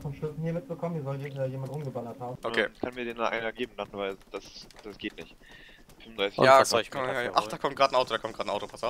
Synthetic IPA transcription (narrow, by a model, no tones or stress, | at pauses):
fɔmʃlʊsn̩hiɐmɪt̚t͡səkʰɔməniɐzɔltɛɛːjeːmantʁʊmɡəbalɐthaːbm̩ʔokʰeːkʰanmiːɐdeːndanʔa̰ɪnɐɡeːbm̩lann̩vaɪld̥asd̥asɡ̥eːtnɪçt | fʏmondʁaɪsɪ̥jaːkajaaʔaχd̥aːkʰɔmt̚ɡ̥aːtn̩aʊtodakɔmt̚ɡ̥aːtnʔaʊtopʰasaʊf